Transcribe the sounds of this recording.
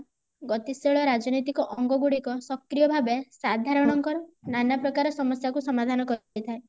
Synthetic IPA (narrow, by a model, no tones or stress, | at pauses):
ɡɔt̪iseɭɔɾad͡ʒɔnojt̪ikɔʔɔŋɡɔɡuɽikɔsɔkɾijɔbʱabesad̪ʱaɾɔɽ̃ɔŋkɔɾɔnanapɾɔkaɾɔsɔmɔsjakusɔmad̪ʱanɔkɔt̪ʰae